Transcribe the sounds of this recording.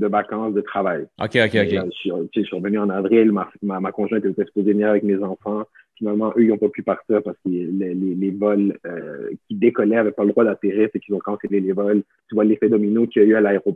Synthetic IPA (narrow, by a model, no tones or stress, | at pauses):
d̪əvakɑ̃sd̪ət̪χavajo̰kʲeokʲeoʒsit̪eʒsiʁvənyɑ̃navʁilmamamakɔ̃ʒwɛ̃t̪t̪ɛt̪t̪ɛkspozenɛavɛkmezɑ̃fɑ̃ | finalmɑ̃ʔøilɔ̃papypaʁt̪iːʁpaʁsə̥klelelevɔløkʲid̪ekɔlɛavɛpaləd̪ʁwad̪at̪iʁisɛkilzɔ̃kɑ̃selelevɔl | t̪yvwalefɛd̪ɔminokʲiayalaeʁo